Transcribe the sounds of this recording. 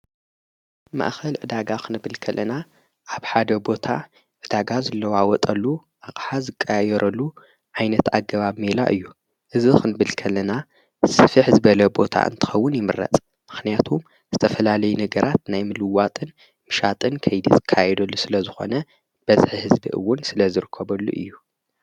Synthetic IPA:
ma̰ʔxɐlʕɨd̪aɡakʰɨnɨbɨlkʰɐlʔɐna | ʔaβħad̪ɐbo̞t̪ʰa | ʕɨd̪aɡazɐlːɐwawɔt̪ʼɐlːuʔaχʼħazɨkʼːaajɛɾɐlːu | ʕajnɐt̪aɡɐβaβmela̰ʔɨ̰jːu | ʔɨzixɨnɨβɨlkʰɐlːɐna | sɨfiħzɨbɐlɐbo̞t̪ʰa̰ʔɨ̰nt̪ʰɨ̥xɐwːʊnjɪmɨɾːɐ̰t͡sʼ | mɨxnijat̪ʰum | z̥ɨt̪ʰɐfɐlalɐjunɐɡɐɾat̪najmɨlɨwat̪ʼɨn | mɨʃat̪ʼɨnkʰɐjd̪izɨkʰajɛd̪ɐlːusɨlɐzɨxo̞̰nɐ | b̥ɐzħihɨzbḭʔɨ̰wːʊnsɨlɐzɨɾɨkʰːɐbɐlːṵʔɨ̰jːu

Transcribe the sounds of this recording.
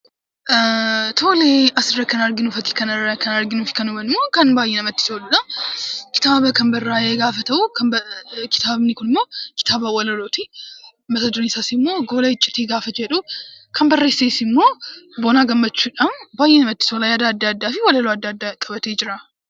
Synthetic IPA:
t̪ʰo̞ːleʔɐsɾɐkʰɐnaɾɡɪnufɐt̪kɐnɐkʰɐnaɾɡɪnufɪ̥kɐnubɐnɪmːoːkɐnbaːjːɛnɐmɐt̪ːɪ̥sowlnakɪ̥t̪aːβɐkɐmbɐrːajeɡaːfɐt̪ʰɐwkɐbkɪ̥t̪ʰaːβnːikʊnɪmːo̞ːkɪ̥t̪ʰaːβɐwɔlɐloːt̪i | mɐt̪ɐd̪onɪsasɪmːoɡo̞ːlɐɪt͡ʃʼːɪt̪eɡaːfɐt͡ʃɛᶑukʰɐmbɐrːesesmːo̞boːnaːɡɐmːɐt͡ʃːuᶑambaːjːɛnɐmɐt̪ːɪ̥solajaːd̪aːd̪ːaːd̪ːaːfiwɔlɐloɐd̪ːad̪ːakʼɐbɐt̪ʰed͡ʒɪɾa

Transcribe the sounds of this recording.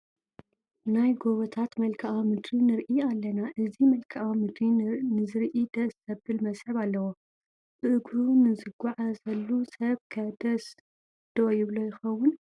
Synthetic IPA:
najɡoβɐt̪ʰat̪mɐlkʰɐʔamɨd̪ɾinɨɾʔialːɐnaʔɨzimɐlkʰɐʔamɨd̪ɾinɨzɨɾʔid̪̥ɐsɐbɨlmɐsʼħɨβalːɐwo | b̥ɨʔɨɡɾunɨzɨɡaʕazɐlːusɐβkʰɐd̪ɐs | d̪̥ojɪβlojɪxɐwːʊn

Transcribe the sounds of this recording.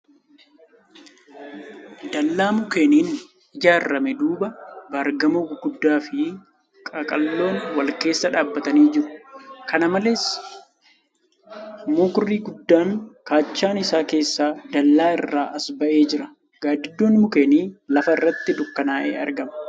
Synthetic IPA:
d̪ɐlːaːmʊkeːniːn | ɪd͡ʒaːrːɐmɛd̪uːbɐbɐɾɡɐmoɡɡʊd̪ːaːfɪ | kʼɐkʼɐlːo̞ːnwɐlke̞ːsːɐᶑaːbːɐt̪ɐniːd͡ʒɪɾʊ̥kɐnɐmɐle̞ːs | moːkʊrːiːɡʊd̪ːaːŋkaːt͡ʃːaːnɪsaːke̞ːsːaːd̪ɐlːaːɪrːaːʔɐsbɐʔe̞ːd͡ʒɪɾɐ̥ | ɡ̥aːd̪ɪd̪ːoːnmʊkeːniːlɐfɐɪrːɐt̪ːɪd̪ʊkːɐnaːʔḛːɐ̰ɾɡɐmɐ

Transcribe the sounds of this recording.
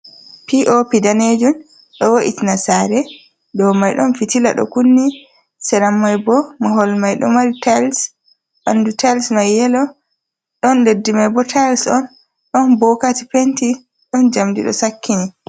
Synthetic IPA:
piʔopidaned͡ʒum | ɗɔwoʔḭtinasaɾɛ | dɔmajɗɔnfitila̰ɗɔ̰kunːi | sɛɾamːajbɔmaɦɔlmajɗɔ̰maɾitals | ʔandutalsmajːɛlɔ | ɗɔndedːimajbɔtʰajlsɔn | ɗɔnbɔkatipenti | ɗɔnd͡ʒamdiɗɔ̰sakʰːini

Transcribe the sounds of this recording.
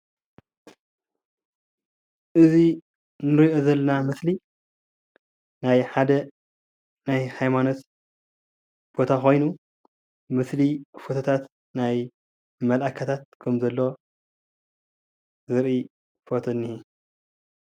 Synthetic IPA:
ʔɨzi | nɨɾiʔo̞zɐlːɐnamɨsli | najħad̪ɐ | najhajmano̞t̪ | bo̞t̪ʰaxo̞jnu | mɨslifo̞t̪ʰot̪ʰat̪ | naj | mɐlʔakʰat̪ʰat̪̚kʰɐmzɐlːo̞ | zɨɾʔi | fot̪ʰonːihi

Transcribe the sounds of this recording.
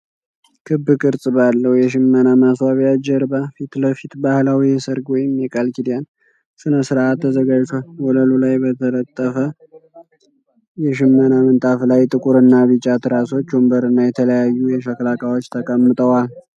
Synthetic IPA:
kʰɨbːɨkʼɨɾsʼɨbalːəhwjɛʃ̬ɪmːənamaswaβijad͡ʒɛɾbafit̪ləfit̪bahlawijɛsəɾɡwɔjɪmːikʼalkid̪ijan | sɨnəsɨɾʔat̪ʰːəzəɡad͡ʒt̪ʰwɔləlulajbət̪ʰələt̪ʼːəfə | jɛʃ̬ɪmːənamɨnt̪ʼaflajt̪ʼɨkʼuɾɨnːaβɨt͡ʃʼat̪ɾaso̞t͡ʃːumbəɾɨnːajɛt̪ʰələjajːujɛʃəklakʼawo̞t͡ʃːt̪ʰəkʼəmːɨt̪ʼəwal

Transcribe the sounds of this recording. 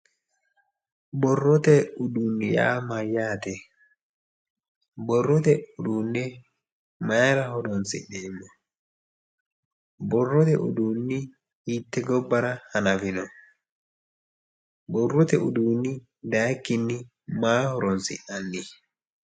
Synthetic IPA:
bɔrːɔt̪ɛudunːija̰majaːt̪ɛ | bɔrːɔt̪ɛudunːɛ | majɾahɔdɔnsḭɗɛmɔ | bɔrːɔt̪ɛ̰ʔṵdunːi | hit̪ːɛɡɔbːaɾahanavinɔ | bɔrːɔt̪ɛʔṵdunːi | d̪aːkːinːi | maːhɔɾɔnsḭʔanːi

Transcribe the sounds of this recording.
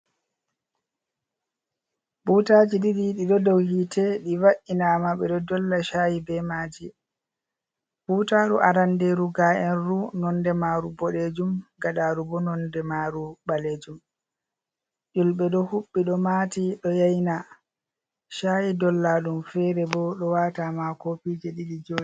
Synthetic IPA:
b̥uːtad͡ʒidiɾiɗiɗɔdɔwhitɛɗiwaʔinamaɓɛɗɔdɔlːaʃajibɛmaːd͡ʒi | b̥utaɾuʔaɾandeɾuɡaʔɛnɾunɔndɛmaːɾubɔɗed͡ʒumɡaɗaɾubɔnɔndɛmaɾubaled͡ʒum | ʔulɓɛɗɔhuɓːiɗɔmatiɗɔjajna | ʃajidɔlːaɗumfɛɾɛbɔɗɔwatamakopid͡ʒɛɗiɗid͡ʒoːɗi

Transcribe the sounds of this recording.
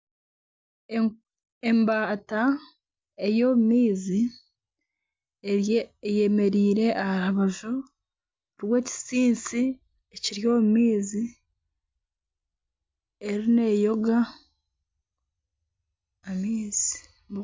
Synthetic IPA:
embata | e̞joːβumiːzi | je̞me̞ɾiːɾe̞ʔahaɾaβaʒo | ɾwe̞ːci̥siːnsi | eciɾjo̞ːmumiːzi | eɾine̞jo̞ɡa | amiːz̥i̥

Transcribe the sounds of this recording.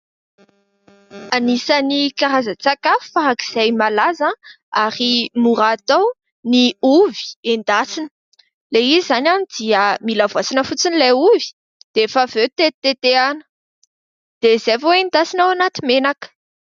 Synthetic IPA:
anisənikaɾazət͡sakaffaɦaki̥z̥ajmalaza | aɾimuɾaːt̪aw | niuvi̥end̪asinə̥ | leizizanʲanid̪iəmilavasinəfut͡sinilauvi̥ | d̪̥eefavet̪et̪et̪eanə̥ | d̪̥ez̥evowend̪asinawanat̪imenakə̥

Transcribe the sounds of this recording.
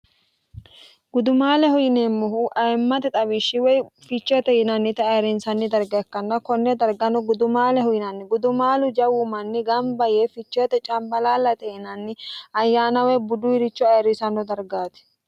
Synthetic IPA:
ɡ̥ʊd̪ʊmaːlɛhɔjɪneːmːɔɦuʔɐjmːɐt̪ɛt̪ʼɐbɪʃːɪwɔjfɪt͡ʃːɛt̪ɛhɪnɐnːɪt̪ɛɐjɾɪnsɐnːɪd̪ɐɾɡɐjɐkːɐnːɐkɔnːɛd̪ɐɾɡɐnɔɡʊd̪ʊmaːlɛhɔjɪnɐnːɪɡʊd̪ʊmaːlʊd͡ʒɐwʊmɐnːɪɡɐmbɐjeːfɪt͡ʃːɔjɛt̪ɛt͡ʃʼɐmbɐlaːlːɐt̪ɛhɪnɐnːɪɐjːaːnɐwɛbʊd̪ʊɪɾɪt͡ʃːɔɐjɾɪsɐnɔd̪ɐɾɡaːt̪ɛ̥

